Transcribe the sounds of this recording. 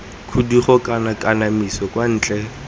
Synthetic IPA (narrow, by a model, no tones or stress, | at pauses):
kʰudiχɔkʼanakʼanamisɔkwan̩ːt͡ɬʼɛ